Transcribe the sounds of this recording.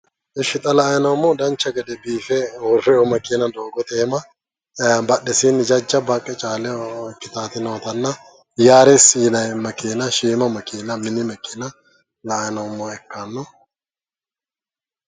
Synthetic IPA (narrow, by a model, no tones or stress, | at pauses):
ʔɪʃɪt̪ʼɐlɐjnɐwmːɔd̪ɐnt͡ʃːɐɡɛd̪ɛbiːfɛwɔrːɛɔmɐkʼiːnɐd̪oːɡɔt̪eːmɐ | bɐɗːɛsind͡ʒɐd͡ʒːɐbɐkʼːɛt͡ʃʼaːlɛkːɪt̪aːt̪ɪnɐwɐt̪ɐnːɐ | jaːɾɛsiːnɐjmɐkiːnɐʃiːmɐmɐkiːnɐmɪnɪmɐkiːnɐ | lɐːjnɐwmːɔɛkːanːɔ